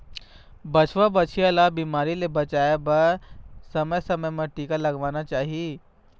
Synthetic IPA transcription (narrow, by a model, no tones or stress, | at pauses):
bɐt͡ʃʋabɐt͡ʃʰialabiːmaːɾilebɐt͡ʃaːjebɐsɐməjsɐməjmɐ̃ʈiːkalɐɡʋaːnat͡ʃaːɦie